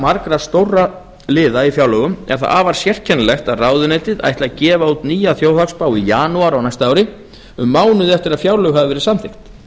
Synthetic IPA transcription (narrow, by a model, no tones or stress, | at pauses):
maɾkɾast̪owrːa | lɪːðaifjawlœɣʏmɛ̰ɾ̥θa̰ʔaːvaɾ̥sjɛr̥cʰɛnːlɛxt̪aðraːwðʏneːjt̪ɪða̰jht̪lacɛːvaut̪niːjaθjoːwθakspaːwijaːnuaɾawnajst̪aawɾɪ | ʏmːaːwnʏðɪɛft̪ɪɾaðfjaːwlœɣhaðvɪvɛːɾɪsamθɪxt̪